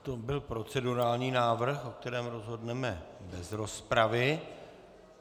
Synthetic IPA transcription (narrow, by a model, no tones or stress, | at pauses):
t̪obɪlpɾo̞t͡sɛduɾaːlɲiːnaːvr̩xok̚t̪ɛɾɛːmɾo̞zɦo̞dnɛmɛbɛzɾo̞spɾavɪ